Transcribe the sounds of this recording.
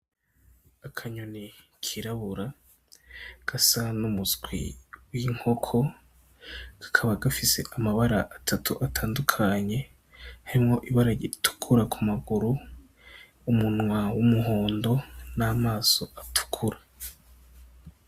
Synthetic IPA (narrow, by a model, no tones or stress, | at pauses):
akʰaɲoni | kʰiɾaβuɾa | ɡ̥asanumuzɡwḭwiŋho̞kʰo̞ | ɡ̥ḁkʰaβaɡafise̞̰ʔamaβaɾaʔatʰatʰuʔatʰaːndukʰaɲe̞ | haɾimŋo̞ʔiβaɾaɡitu̥kʰuɾakʰumaɡuɾu | umunŋwawumuɦo̞ːndo̞namaːso̞ʔatʰu̥kʰuɾa